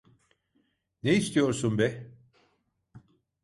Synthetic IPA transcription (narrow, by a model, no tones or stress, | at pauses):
neist̪ʰijo̞ɾsunbɛ